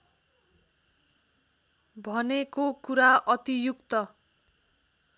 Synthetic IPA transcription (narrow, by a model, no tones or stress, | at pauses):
bʱʌnekokuɾaʌt̪ijukt̪ʌ